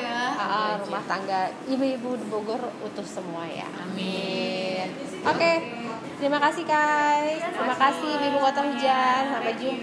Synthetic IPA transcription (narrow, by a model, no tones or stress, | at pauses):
ʔɔʔɔɾumaht̪aŋɡa | ibuibudiboɡʊrut̪ʊhsəmuaja̰ | mi | n | ʔoke | t̪əɾimakasihkajt̪əɾimakasiibuibukot̪aɦud͡ʒansampad͡ʒu